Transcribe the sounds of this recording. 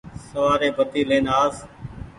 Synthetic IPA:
səʋaːɾeːbʱət̪iːlẽːnaːs

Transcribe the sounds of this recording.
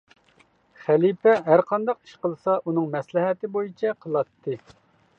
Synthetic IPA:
χælipʰɛɦæɾqʰɑnd̪ɑqi̥ʃqəlˠsɑʔunɨŋmɛslɪɦɛt̪ɪbojit͡ʃʰɛqʰəlˠɑt̪ʰːɨ

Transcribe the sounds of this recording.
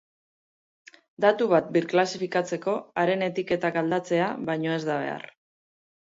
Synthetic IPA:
d̪at̪uβat̪̚biɾklasifikat͡se̞ko̞aɾe̞ne̞t̪ike̞t̪akald̪at͡se̞aβajɲo̞e̞zd̪aβ̞e̞̰a̰r

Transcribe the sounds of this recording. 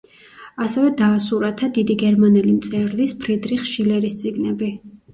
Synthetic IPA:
asɛvɛd̪aːsuɾat̪ʰad̪id̪iɡɛɾmanɛlimt̪sʼɛɾlispʰɾid̪ɾiχʃilɛɾist̪sʼiɡnɛbi

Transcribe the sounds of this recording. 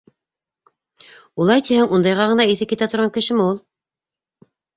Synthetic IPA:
ulˠɑjt̪ihɘŋund̪ɑjʁɑʁɤ̆nɑiθɘpkit̪æt̪ŏɾʁɑŋkɘ̆ʃɘmɘulˠ

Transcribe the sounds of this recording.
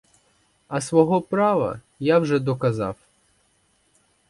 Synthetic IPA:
ɐsʋɔɦɔpɾɑʋɐ̰ | jawʒɛd̪ɔkɐzɑ̰w

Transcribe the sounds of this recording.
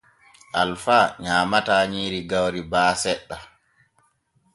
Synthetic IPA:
ʔalfaɲaːmataːɲiːɾiɡawɾibaːsɛɗːa

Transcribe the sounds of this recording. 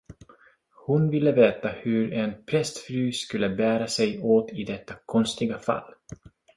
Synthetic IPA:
hʊnvɪlːəveːt̪ahɵɾɛnpʰɾɛst̪fɾyːskɵlːəbæːɾasɛjoːt̪ɪd̪ɛt̪ːakʰɔnst̪ɪɡafa̰lː

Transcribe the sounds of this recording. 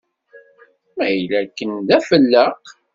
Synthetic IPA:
mæjlækːənd̪æfəlːəq

